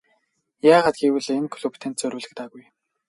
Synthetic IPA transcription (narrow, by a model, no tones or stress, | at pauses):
jaːʁaːt̪̚ɡiwɘ̆ɮemkʰɵɮupʰt̪ʰeːnt̪̚t͡sœɾwɘːɮɘ̆k̚t̪aːɣuj